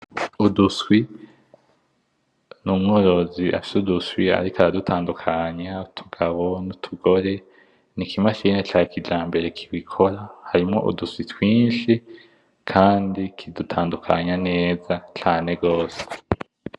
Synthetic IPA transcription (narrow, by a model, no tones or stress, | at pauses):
uduswi | numŋo̞ːɾo̞zia̰fi̥suduswia̰ɾikaɾadutʰaːndukʰaɲautʰu̥ɡ̥aβo̞nutʰuɡo̞ɾe̞ | nikʰimaʃiːnet͡ʃaːikid͡ʒaːmbe̞ɾe̞kʰi̥βikʰo̞ɾahaɾimŋo̞̰ʔṵduswitwiːnʃi | kʰaːndikʰidutʰaːndukʰaɲane̞ːzat͡ʃaːne̞ɡɡo̞ːse̥